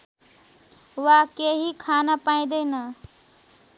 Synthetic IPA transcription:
ʋakeɦikʰaːnapaj̃d̪ejnə

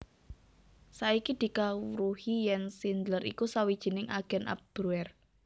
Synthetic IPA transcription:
saikid̪̥i̤kawɾuhijɛnsind̪ləɾḭkusawid̥ʒ̥i̤nɪŋʔa̰ɡ̥ɛ̤nʔa̰p̚d̪̥ɾuɛr

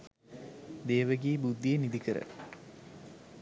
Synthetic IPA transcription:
d̪eːʋəɡiːbud̪ːijenid̪ikəɾə̰

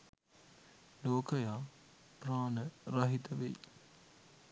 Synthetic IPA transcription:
loːkəjaː | praːnəɾɐɦit̪əʋḛj

